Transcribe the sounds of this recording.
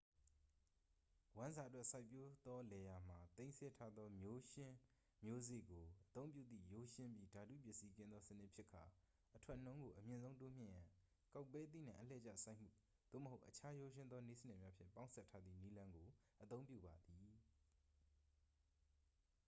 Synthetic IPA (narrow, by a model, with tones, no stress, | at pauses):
wã˦nza˨twɛ˦ʔsa˦˨ɪpːjo˦d̪̥ɔ˦lɛ˨ja˨m̥a˨t̪ẽ˦ɪ̃sʰɛ˦tʰa˦d̪ðɔ˦mjo˦ʃɪ̃˦ | mjo˦zḛ˦˨ɡo˨ʔət̪õ˦ʊ̃mpjṵ˦˨d̪ðḭ˦˨jo˦ʃɪ̃˦mpji˦da˨dṵ˦˨pjɪ˦ʔsi˦kɪ̃˦nd̪ðɔ˦sənɪ˦ʔpʰjɪ˦ʔkʰːa˨ | ʔətʰwɛ˦ʔn̥õ˦ʊ̃ŋɡo˨ʔəmjɪ̃˨nzõ˦ʊ̃to˦m̥jɪ̰̃˦˨jã˨ | ka˦˨ʊpːɛ˦t̪̬ḭ˦˨nã̰˦˨ʔəlɛ̰˦˨t͡ɕa̰˦˨sa˦ɪʔmṵ˦˨ | d̪̥o̰˦˨məɦo˦ʊʔət͡ɕʰa˦jo˦ʃ̬ɪ̃˦nd̪ɔ˦ne˦sə˨nɛ˦˨mja˦pʰjɪ̰̃˦˨mpã˦ʊ̃nsʰɛ˦tʰːa˦d̪ðḭ˦˨ni˦lã˦ŋɡo˨ | ʔət̪õ˦ʊ̃mpjṵ˦˨ba˨d̪i˨